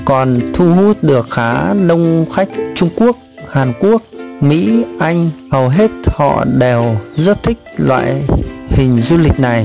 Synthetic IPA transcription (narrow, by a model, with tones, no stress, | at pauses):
kɔ˨˩nt̪ʰu˧ɦu˦˥t̚ɗɨ˨˩ək̚xaː˨˦ɗə˧wŋ͡mxa˦˥jk̟̚t͡ɕʊ˧ŋ͡mku˦˥ək̚ | haː˨˩nku˦˥ək̚mḭ˧˥ʔa˧jŋ̟hə˨˩wɦe˦˥t̚hɔ̰˧˨ɗe˨˩wzə˦˥t̚t̪ʰï˦˥k̚lwa̰ː˧˨jhï˨˩ŋ̟zu˧lï˨˩k̟̚na˨˩j